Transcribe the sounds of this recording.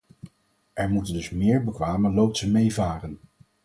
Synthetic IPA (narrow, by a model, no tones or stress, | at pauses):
ʔɛɹmutəndɵsmɪːɹbəkʋaːmənlowp̚tsəmejvaːrən